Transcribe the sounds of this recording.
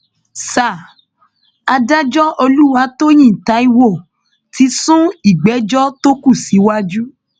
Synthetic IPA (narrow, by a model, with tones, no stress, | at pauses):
sa˨ | a˧da˦d͡ʒɔ˦o˧lu˦wa˧˦to˦j̃ĩ˦˨ta˨˦i˧wo˦˨ | tʰi˨˧˦sũ˦i˦˨ɡ͡bɛ˨˦d͡ʒɔ˦to˦ku˦˨si˨˦wa˦d͡ʒu˦